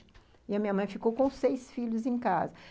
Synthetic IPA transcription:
iɐmĩɲɐmɐ̃j̃fikowkõsejsfiʎʊzẽj̃kazɐ

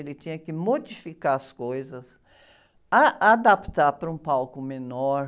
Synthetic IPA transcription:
elɪt͡ʃ̪ĩɲɐkɪmod͡ʒifikaɐskojzɐs | aʔad̪apt̪aɾpɾɐũpawkʊmenɔɾ

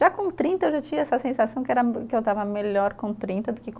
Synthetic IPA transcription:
ʒakõt̪ɾĩnt̪ɐewʒat͡ʃĩɐɛsɐsẽsasɐ̃w̃kɪɛɾɐkɪewt̪avɐmeʎɔɾkõt̪ɾĩnt̪ɐd̪ʊkɪk

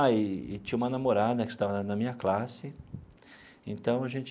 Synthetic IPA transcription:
ɪːt͡ʃĩɲ̃ũmɐnamoɾad̪ɐkɪ̥st̪avɐnɐnɐmĩɲɐklasɪ | ẽnt̪ɐ̃w̃ɐʒẽnt͡ʃ

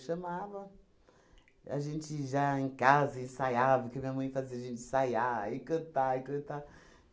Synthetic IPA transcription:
ʃɐ̃mavɐ | a̰ʒẽnt͡ʃɪʒaẽkazɐɪ̃sajavɐkɪmĩɲɐmɐ̃j̃faziɐʒẽnt͡ʃɪ̥sajaikot̪aikɐt̪a

